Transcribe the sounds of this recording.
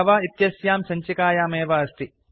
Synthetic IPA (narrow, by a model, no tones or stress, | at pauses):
ɐʋaːit̪jɐsjaːmsɐɲt͡ʃikaːjaːmeːʋɐːst̪i